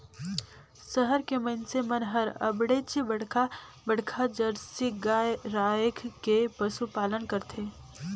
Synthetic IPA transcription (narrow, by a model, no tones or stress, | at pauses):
səɦəɾkemɐnsemɐnɦəɾɐ̰bɽeːt͡ʃibɐɽkʰa | bɐɽ̤kʰad͡ʒəɾsiɡaɾaːjəkʰkepɐsupaːlənkɐɾt̪ʰeː